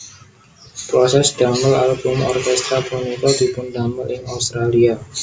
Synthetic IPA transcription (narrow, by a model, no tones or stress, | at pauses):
pɾɔsɛsɖ̥aməlalbumɔ̰rkɛst̪ɾabunikɔd̪ipund̪aməlɪŋaust̪ɾalia